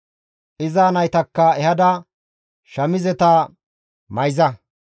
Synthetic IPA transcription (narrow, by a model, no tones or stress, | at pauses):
ʔɪzaːnɐjt̪ɐkːɐɛhɐd̪ɐ | ʃɐmɪzɛt̪ɐ | mɐjzɐ